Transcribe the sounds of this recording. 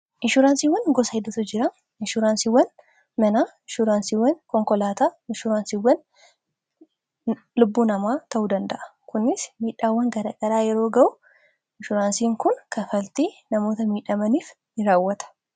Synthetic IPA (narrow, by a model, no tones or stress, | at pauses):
ʔɪʃʊɾaːnsiːwːɐnɡɔsɐɛd̪ʊt̪ʊd͡ʒɪɾɐ | ɪʃʊɾaːnsiːwːɐn | mɛnaːɪʃʊɾaːnsiːwːɐnkɔŋkɔlaːt̪aːɪʃʊɾaːnsiwːɐn | lʊbːuːnɐmaːt̪ɐʔuːd̪ɐnd̪ɐʔɐ̥kʊnːɪsmiːᶑːaːwːɐŋɡɐɾɐɡɐɾaːjɛɾo̞ːɡɐʔʊ | ɪʃʊɾaːnsiːŋkʊŋkɐnfɐlt̪iːnɐmo̞ːt̪ɐmiːᶑɐmɐniːf | nɪɾaːwːɐt̪ɐ̥